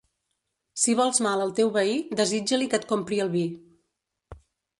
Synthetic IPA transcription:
siβ̞ɔlˠzmaləlˠt̪ewβəid̪əzid͡ʒəlikət̪̚kompɾiəlˠβi

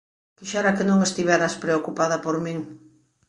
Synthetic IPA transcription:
kiʃaɾakenõŋest̪iβɛɾɐspɾeokupaðɐpoɾmĩŋ

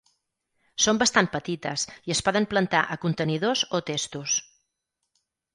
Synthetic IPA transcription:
sombəst̪anpət̪it̪əsiəspɔðəmplənt̪aʔəkunt̪əniðozot̪est̪us

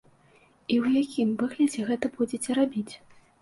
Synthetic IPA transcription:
iwjakʲimvɨɣlʲɐd͡zʲɛɣɛt̪ɐbud͡zʲet͡sʲɛɾabʲit͡sʲ

